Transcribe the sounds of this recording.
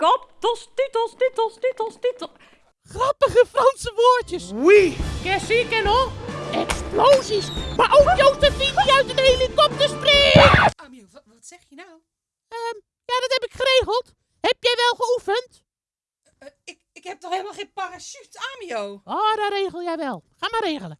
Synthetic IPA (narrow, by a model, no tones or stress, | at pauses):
kɔptɔstitəlstitəlstitəlˠstit | χrɑpəχəfrɑnsəʋoːɹtjəswikɛsikɛnoɛksplowzismaʔofjowtəfitijœɥtədejlitkɔp̚təspreːkəaːmioʋɔtsɛxjənaw | əm | jadɔthɛpɪkχəreːɣəlˠt | hɛpjɛjʋɛlˠxəufənt | ɪkɪkhɛp̚tɔxheːlˠmalˠxeːnparasytamiowoːdareːɣəlˠjɛjʋɛlˠxaːmareːɣələ